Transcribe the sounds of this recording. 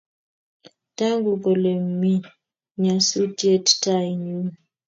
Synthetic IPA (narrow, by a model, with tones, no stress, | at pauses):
ta˦ŋɡu˨kɔ˨le˨mmi˦ | ɲa˨su˦tje˦tta˦ji˨ɲu˦